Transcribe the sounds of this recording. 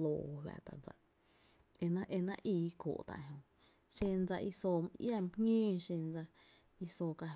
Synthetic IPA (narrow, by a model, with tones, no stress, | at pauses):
loː˧˨˧ɦwʲa̰˧˨ʔt̪a̰˨nd͡za̰˧ʔ | e˧nã˦ʔe˧nã˦ʔiː˧˦ko̰ː˨ʔt̪a̰˧˨ʔɦõ˧ | ʃẽ˧nd͡za˧ʔi˧soː˧m˧ʔja˦˧˨m˦pŋĩː˦˧ʃẽ˧nd͡za˧ | i˧soː˧˨ka˧